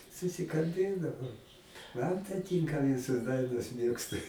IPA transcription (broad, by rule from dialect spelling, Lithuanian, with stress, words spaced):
sʊsʲɪkɐlʲˈbʲeːdɐʋɐʊ ˈmɐn tɐɪ ˈtʲiːŋkɐ ˈʋʲɪsoːs ˈdɐɪnoːs ˈmʲeːkstʊ